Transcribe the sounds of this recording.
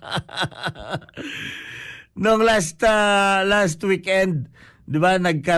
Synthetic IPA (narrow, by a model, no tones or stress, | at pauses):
noŋlast̪ɐlas̬t̪wikɛnd̪̚ | d̪ɪbanɐɡ̚kɐ